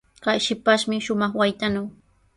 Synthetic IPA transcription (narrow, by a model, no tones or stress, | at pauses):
kajʃɪpaʃmɪʃʊmɑχwajt̪anaw